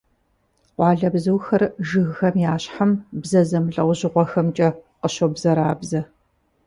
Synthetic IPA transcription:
qʷɑːɮɐbzɨwxɐrʒɨɣxɐmjaːɕħambzɐzɐmɮʼɐwʷʑɪʁʷɔxɐmt͡ʃʼɐqəɕobzɐɾaːbzɐ

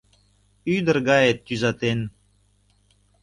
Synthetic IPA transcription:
yd̪ə̆ɾɡɑet̪ːyzɑt̪en

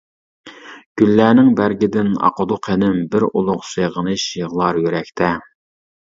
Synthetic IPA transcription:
ɡ̥ʲylːæːnɪŋbæɾɡʲɪd̪ɪnɑ̰qəd̪ʊqʰenɪmbɪɾolˠʊqseʁənɨʃjəʁlˠɑɾjøɾɛkʲt̪ʰɛ

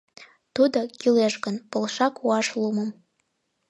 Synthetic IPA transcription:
t̪ud̪okʲileʒɡənpə̆lˠʃɑkuɑʃlˠuməm

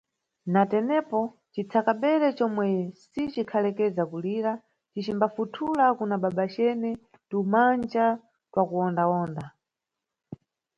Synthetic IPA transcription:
natɛnɛpɔ | t͡ʃit͡sʰakaɓɛɾɛt͡ʃɔmwɛsit͡ʃikʰalɛkɛzakuliːɾa | t͡ʃit͡ʃimbafutʰulakunaɓaɓat͡ʃɛnɛ | tumand͡ʒa | twakuɔndaɔːnda

